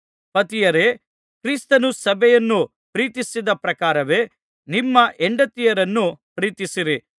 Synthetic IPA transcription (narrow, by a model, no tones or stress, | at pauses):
pɐt̪ijɐɾe̞ | kɾiːst̪ɐnusɐbʱɛjɐnːu | pɾiːt̪isid̪ɐpɾɐkaːɾɐʋe̞ː | nimːɐʔeɳɖɐt̪ːijɐɾɐnːupɾiːt̪isiɾi